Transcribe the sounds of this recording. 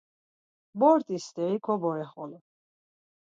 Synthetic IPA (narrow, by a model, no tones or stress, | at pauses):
bɔɾt̪ʼist̪ɛikʰɔbɔɾɛχɔlɔ